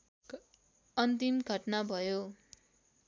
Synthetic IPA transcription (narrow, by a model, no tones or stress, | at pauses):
ʌnt̪imɡʱʌʈnabʱʌjo